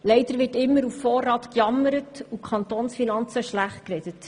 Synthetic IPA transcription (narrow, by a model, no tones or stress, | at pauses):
lɛɪd̥̪əɾʋɪtɪmːəɾuffoːrːɑːtkjɑməɾətukʰχɑnt̪oːnsfinɑnt͡səʃlæχt̚krɛd̥ət